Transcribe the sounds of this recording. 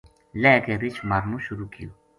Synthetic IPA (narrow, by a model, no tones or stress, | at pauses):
lɛːkebit͡ʃʰmɐɾmũʃʊɾukijo